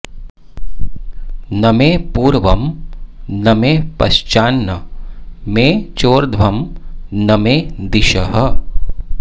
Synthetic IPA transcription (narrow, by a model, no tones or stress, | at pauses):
nɐmeːpuːɾʋɐm | nɐmeːpɐ̰ʃt͡ʃaːnːɐ | meːt͡ʃoːɾd̪ʱʋɐmnɐmeːd̪ɪʃɐɦɐ